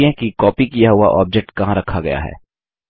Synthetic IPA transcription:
ẽkikɔːpikijaɦʊa̰ʔɔːp̚d͡ʒek̚ʈkɐɦãɾɐkʰːaɡɐja̰ɦɛ̰ː

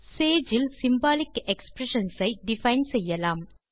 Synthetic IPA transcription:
seːd͡ʒɪlsɪmbaːlɪkɛkspɾɛʂɐnsɐɪɖɪfɐɪnsɛjːɐlaːm

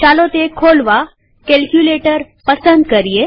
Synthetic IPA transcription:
t͡ʃaːlot̪ekʰoːlʋa | kelkjuleːʈəɾ | pəsə̃nd̪̚kəɾije

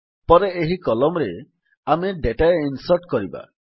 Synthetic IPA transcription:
pɔɾeeɦikɔlɔmɔɾe | ameɖeʈaeinsɔɾʈkɔɾiba̰

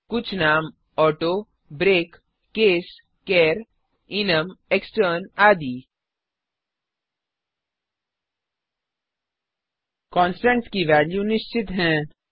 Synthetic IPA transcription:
kʊt͡ʃʰnaːm | ɔːʈoː | bɾeːkː | eːs | keːɾ | ɪnəmeksʈəɾnaːd̪iː | kɔ̃ːnsʈə̃ɳʈskiʋæːljunɪʃt͡ʃɪt̪ɦɛ̃ː

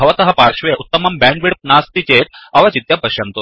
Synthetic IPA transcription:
ɐʋɐt̪ɐɦɐpaːɾʂʋeʔut̪ːɐmɐmbaːɳʋiɽp̚naːst̪it͡ʃeːt̪̚ɐʋɐt͡ʃit̪jɐpɐʃjɐnt̪u

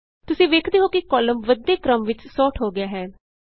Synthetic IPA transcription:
t̪ʊsĩːʋeːkʰd̪eːɦoːkɪkɔːləmʋəd̪ːeːkɾəmʋɪt͡ʃsɔːʈʰɦoːɡɪjaːɦɛː

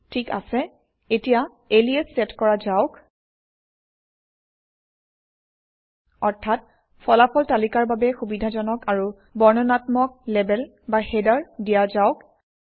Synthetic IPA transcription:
tʰika̰sɛ | etija | eliɛsːɛtkɔɹazaʊk | ɔɹtʰat̚ | pʰɔlapɔltalikaɹbabɛxubidʱazɔnɔkaɹu | bɔɹnɔnatmɔk̚lɛbɛl | baxedaɹdijazaʊk

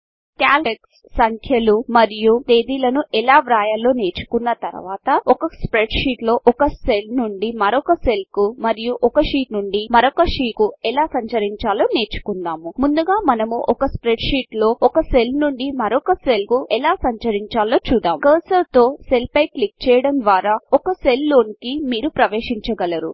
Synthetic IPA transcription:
kjaːlʈeks | sɐŋkʰjɐlumɐɾijut̪e̞ːd̪iːlɐnuʔɛlaːʋɾaːjɐlo̞ːne̞ːt͡ʃu̥kunːɐt̪ɐɾṵʋaːt̪ɐɔkɐspɾeɖʂiːʈlo̞ːʔɔkɐselnuɳɖimɐɾɔkɐse̞lkumɐɾijuʔɔkɐʂiːʈnuɳɖimɐɾɔkɐʂiːkuɛlaːsɐɲt͡ʃɐɾiɲt͡ʃaːloːne̞ːt͡ʃu̥kund̪aːmumund̪uɡaːmɐnɐmuʔɔkɐspɾeɖʂiːʈlo̞ːɔkɐselnuɳɖimɐɾɔkɐselkuʔɛlaːsɐɲt͡ʃɐɾiɲt͡ʃaːloːt͡ʃuːd̪aːmkɐːsɐlt̪o̞ːselpɐjklik̚t͡ʃɛːjɐɽɐnd̪ʋaːɾaːɔkɐselːoːnkimiːɾupɾɐʋeːʂiɲt͡ʃɐɡɐlɐɾṵ

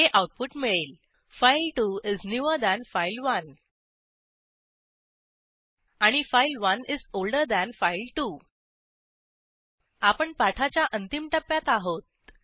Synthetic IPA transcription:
eʔawʈ̚puʈmiɭel | fajlʈuiznjuəɾd̪æ̃nfajlʋən | aɽ̃ifajlʋənizolɖəɾd̪æ̃nfajlʈu | apəɳpaʈʰat͡ɕjaʔənt̪imʈəpːjat̪aɦot̪̚

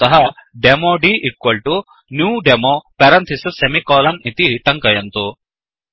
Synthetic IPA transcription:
ɐɦɐɖemoːɖiːʔikːʋɐlʈu | njuːɖemoːpɛɾɐnt̪ʰisɐsemikɔːlɐnit̪it̪ɐŋkɐjɐnt̪u

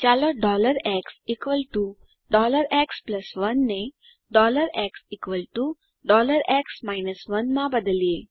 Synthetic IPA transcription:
t͡ɕaləɖɔləɾɛksikʋəlʈu | ɖɔləɾɛkspləsʋənːe | ɖɔləɾɛksikʋəlʈu | ɖɔləɾɛksmajnəsʋənmãbəd̪lie

